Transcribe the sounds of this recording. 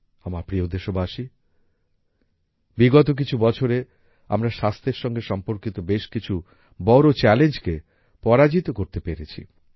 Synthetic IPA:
amaɾpɾiod̪eʃobʱaʃi | biɡɔt̪̬ok̬it͡ɕʰubɔt͡ɕʰoɾe | a̰mɾaʃast̪ʰeɾʃɔŋɡeʃɔmpoɾkit̪obeʃkit͡ɕʰu | bɔɾot͡ɕɛlend͡ʑke | pɔɾad͡ʑit̪okoɾt̪epeɾet͡ɕʰḭ

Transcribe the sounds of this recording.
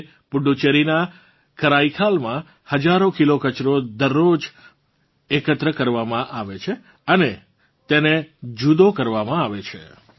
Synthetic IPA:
pʊɖut͡ʃeɾina | kəɾaikʰalmã | həd͡ʒaɾokilokət͡ʃɾod̪əɾːod͡ʒ | ekət̪ɾəkəɾʋamãʔaʋet͡ʃʰe | əne | t̪ened͡ʒud̪okəɾʋamãaʋet͡ʃʰḛ

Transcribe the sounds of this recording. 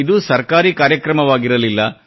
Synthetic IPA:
id̪usɐɾkaːɾiːkaːɾjɐkɾɐmɐʋaːɡiɾɐlilːɐ

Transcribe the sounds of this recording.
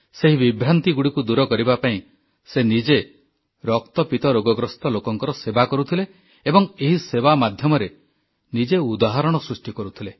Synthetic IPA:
seɦiβibɾant̪iɡuɽikud̪uɾɔkɔɾibapaĩ | senid͡ʒe | ɾɔk̚t̪ɔpit̪ɔɾoɡɔɡɾɔst̪ɔlokɔŋkɔɾɔsebakɔɾut̪ʰileː | bɔŋeɦiseβamad̪ʱjɔmɔɾe | nid͡ʒeud̪aɦɔɾɔɽ̃ɔsɾusʈikɔɾut̪ʰile

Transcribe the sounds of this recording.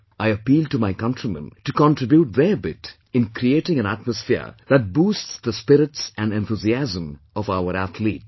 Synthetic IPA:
ʔaɪəpiːld̚ʈumaɪkʌ̃ntɾimə̰̃ntukɔ̃ntɾɪbjuʈ̚ðəbɪt | ɪ̃nkɾieʈɪ̃ŋæ̃næ̰t̚məsfḭɾðæt̚buːstsðəspɪɾɪtsæ̃nɖɛ̃nt̪uziæzə̃m | ɔfaʊəɾæθlḭːt̚

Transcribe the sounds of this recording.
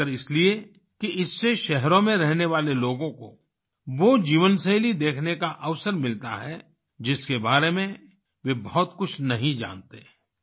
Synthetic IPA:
əɾɪslie | kiɪsːeʃɛɦɾõmẽɾɛɦneʋaːleloːɡõko | ʋod͡ʒiːʋənseːlid̪eːkʰnekaʔɐʋsəɾmɪlt̪a̰ɦɛ | d͡ʒɪskebaːɾemẽ | ʋebɔɦɔt̪kʊt͡ʃʰnɐɦĩd͡ʒã̰ːnt̪eː

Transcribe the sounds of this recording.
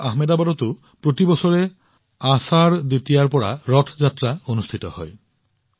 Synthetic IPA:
aɦmed̪abad̪ɔt̪u | pɾot̪ibɔsɔɹe | asaɾd̪et̪ijaɾpɔɹa̰ɾɔʈʰzat̪ːɾaonust̪ʰit̪ɔhɔj

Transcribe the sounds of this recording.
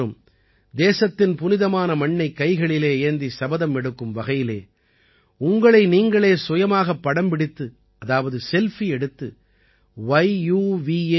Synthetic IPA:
ɯm | d̪eːsɐt̪ːɪnpʊnɪðɐmaːnɐmɐɳːɐɪkːɐɪɣɐɭɪleːɪɐnd̪isɐbɐðɐmɛɽɯkːɯmʋɐɣɐjɪlḛː | ʊŋɡɐɭɐɪniːŋɡɐɭeːsʋʊjɐmaːɣɐpːɐɽɐmbɪɽɪt̪ːɯ | ʔɐðaːʋɐðɯsɛlfiɛɽɯt̪ːɯ | ʋɐɪjuːʋi

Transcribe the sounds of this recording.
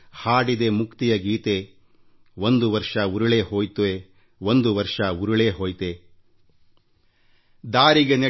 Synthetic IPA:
haːɽid̪e̞mukt̪ijɐɡiːt̪e̞ | wond̪uʋɐɾʂɐuɾuɭeːɦo̞ːjt̪uʋe | ʋond̪uʋɐɾʂɐuɾuɭeːɦoːjt̪e̞ | d̪aːɾiɡene

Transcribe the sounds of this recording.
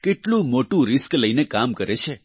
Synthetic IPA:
keʈlũmoʈũɾiskləijnekamkəɾet͡ʃʰe

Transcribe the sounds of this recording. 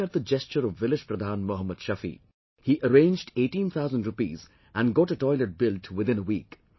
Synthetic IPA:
əʈ̪̚d̪əd͡ʒɛst͡ʃəɾɔʋːɪlɪd͡ʒpɾəd̪ʱãːnmɔɦəmːəd̪̥ʃʌfḭ | hiʔəɾẽːnd͡ʒɖeːʈĩnt̪ʰaʊzə̃nɖɾʊpḭːz | ʔæ̃nɡɔːʈəʈɔɪləʈ̚bɪlʈwɪd̪ɪ̃nəwiːk

